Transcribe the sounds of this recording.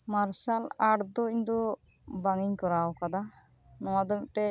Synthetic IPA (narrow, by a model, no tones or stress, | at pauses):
maɾsalaɽd̪ɔiɲd̪ɔ | baŋiɲkɔɾawkad̪a | nɔwad̪ɔmʈɛ